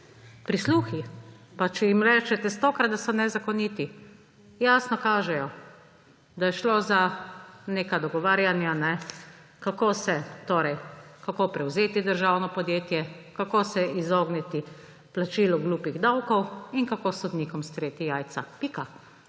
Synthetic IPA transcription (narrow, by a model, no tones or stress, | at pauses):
pɾisluːxi | pat͡ʃɛjimɾɛt͡ʃɛt̪ɛst̪oːkɾad̪d̪asɔnɛzakɔniːt̪i | jaːsnɔkaːʒɛjɔ | d̪ajɛʃloːzaneːkad̪ɔɡɔʋaːɾjanjanɛkakoːsɛt̪oːɾɛjkakoːpɾɛwzeːt̪id̪əɾʒawnɔpɔd̪jeːt̪jɛkakosɛʔizoːɡnɛt̪i | plat͡ʃiːlɔɡluːpiɣd̪awkɔwinkakosɔd̪niːkɔmst̪ɾeːt̪ijaːjt̪sapika